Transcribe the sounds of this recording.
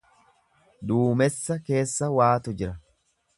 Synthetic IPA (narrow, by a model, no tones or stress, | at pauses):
d̪uːmɛsːɐke̞ːsːɐwaːt̪ʊd͡ʒɪɾɐ